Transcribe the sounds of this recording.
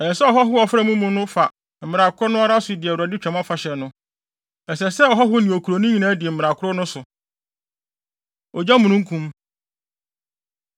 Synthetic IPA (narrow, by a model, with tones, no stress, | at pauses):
ɛ˨jɛ˨sɛ˦ɔ˨ɦɔ˦ɦʊ˦ɔ˨fɾɛ˦mũ˦mũ˦nʊ̃˦fa˨ | m̩˨mɪ̃˨ɾa˨kʰʊ˦ɾʊ˦nʊ̃˦a˦ɾa˦sʊ˨dɪ˨ɛ˨wɾa˨dɪ˦t͡ɕᶣɛ̃˨ma˦fa˨ɕɛ˨nʊ̃˦ | ɛ˨sɛ˨sɛ˦ɔ˨ɦɔ˦ɦʊ˦nĩ˨o˨kʰu˨ɾo˨nĩ˦ɲĩ˨nãː˦dɪ˨ɛ˨m̩˨mɪ̃˨ɾa˨kʰʊ˦ɾʊ˦nʊ̃˦sʊ˨ | ɔ˨d͡ʑa˦mũ˨ñũ˦ŋ˦kʰũ˦m